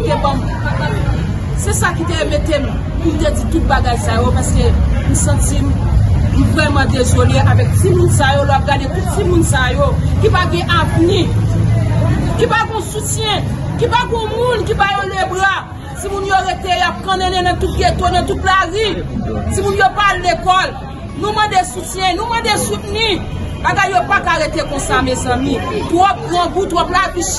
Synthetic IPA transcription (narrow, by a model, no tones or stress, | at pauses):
ɡebãmtubaɡa | sɛsakit̪eemet̪em | ĩvud̪ed͡zit̪ut̪̚baɡajsajopaskem̩sɐ̃t͡simm̩vʁɛmãd̪ezoleʔavɛk̚simũnsajolowap̚ɡad̪etut̪̚simũnsajokipaɡɛ̃ʔavni | kipaɡɛ̃ɔ̃sutjɛ̃kipaɡɔ̃mũnkibajolebʁa | simũnjoɣet̪ejap̚kãnɛ̃nɛ̃nãtut̪̚ɡet̪onãt̪ut̪̚blazit͡simũnjopallekɔl | nũmãdesut͡sjɛ̃nũmãdesut̚nĩbaɡajːjopakaɣet̪ekɔ̃samezɐ̃mĩt̪wɔp̚ɣãbũt̪wɔplaviʃ